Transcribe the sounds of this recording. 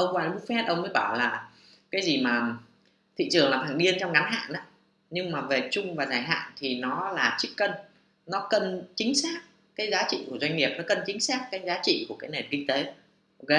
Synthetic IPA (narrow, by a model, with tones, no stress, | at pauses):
ʔə˧wŋ͡mkwaː˧lɓʊ˦˥k̚fɛ˦˥t̚ʔə˧wŋ͡mməː˨˦ɓaː˧˩wlaː˨˩ | kaː˨˦jzi˨˩maː˨˩ | t̪ʰḭ˧˨t͡ɕɨ˨˩əŋlaː˨˩t̪ʰaː˧˩ŋɗi˧ənt͡ɕɔ˧wŋ͡mɣa˨˦nɦa̰ː˧˨nʔaː˨˦ | ɲɨ˧ŋmaː˨˩ve˨˩t͡ɕʊ˧ŋ͡mvaː˨˩zaː˧˩jɦa̰ː˧˨nt̪ʰi˨˩nɔ˨˦laː˨˩t͡ɕi˦˥kkə˧n | nɔ˨˦kə˨˧˩nt͡ɕï˨˦ŋ̟saː˦˥k̚ | kaː˨˦jzaː˨˦t͡ɕḭ˧˨ku˧˩əzwa˧jŋ̟ŋi˨˩əp̚nɔ˨˦kə˧˩nt͡ɕï˨˦ŋ̟saː˦˥k̚ːaː˨˦jzaː˨˦t͡ɕḭ˧˨ku˧˩əkaː˨˦jne˨˩t̚kï˧ŋ̟t̪e˨˦ | ʔʔo˧ke˨˦